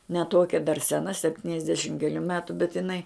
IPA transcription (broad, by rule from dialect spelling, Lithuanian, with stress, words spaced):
nʲɛ ˈtuɔkʲɛ dɐr sʲɛˈnɐ sʲɛpʲˈtʲiːnʲɛzʲdʲɛʃʲɪm kʲɛˈlʲuː ˈmʲæːtʊ bʲɛt ɪˈnɐɪ